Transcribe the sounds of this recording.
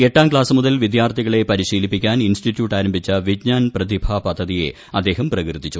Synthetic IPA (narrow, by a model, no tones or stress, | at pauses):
e̞ʈːaːmkɭaːsɐmuðɐlʋid̪jaːrt̪ʰiɣɐɭe̞pɐɾiɕiːlipːikʲːaːninsʈitːjuːʈːaːɾɐmbʱit͡ɕːɐʋid͡ʑɲaːnprɐd̪ibʱaːpɐd̪ʱːɐðije̞̰ | ɐd̪ːe̞ːɦɐmprɐkrɨd̪ːit͡ɕːu